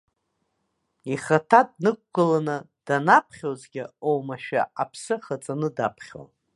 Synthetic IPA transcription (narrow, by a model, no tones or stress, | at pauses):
iχatʰad̚nɨk̚ʷɡɨlanɨ | d̥anapʰχʲozɡʲɪowmaʃᶣa̰apʰsɨχat͡sʼanɨdapʰχʲa̰n